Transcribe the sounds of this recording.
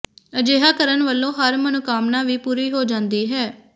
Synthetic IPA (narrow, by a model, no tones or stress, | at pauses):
əd͡ʒeːɦaːkəɾənʋəlːõːɦəɾmənokaːmnãːʋiːpuːɾiːɦoːd͡ʒãːnd̪iːɦɛː